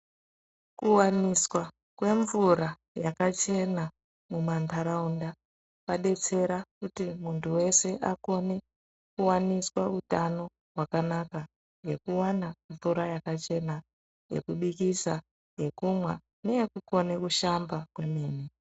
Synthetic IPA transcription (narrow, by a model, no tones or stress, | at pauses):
kuwaniswa | kwe̞ɱvuɾa | jakat͡ʃe̞na | mumantʰaɾaunda | paɗe̞t͡se̞ɾakutimuntʰuwe̞se̞ʔako̞ne̞ | kuwaniswautano̞ | ɦwakanaka | ŋɡe̞kuwanaɱvuɾajakat͡ʃe̞na | je̞̰kuɓikisa | je̞kumwa | nejekuko̞ne̞kuʃambakwe̞meːni